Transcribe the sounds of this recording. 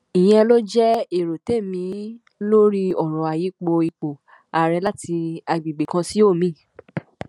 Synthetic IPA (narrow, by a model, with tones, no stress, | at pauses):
i˨j̃ɛ̃˧lo˦d͡ʒɛ˦e˦˨ɾo˨te˦˨mĩ˨˧˦ | lo˦ɾi˦ɔ˦˨ɾ̃ɔ̃˨a˨ji˨˦k͡po˧i˧k͡po˨ | a˨ɾɛ˧la˦ti˧a˧ɡ͡bi˨ɡ͡be˨kã˧si˦o˦˨mĩ˨˦˨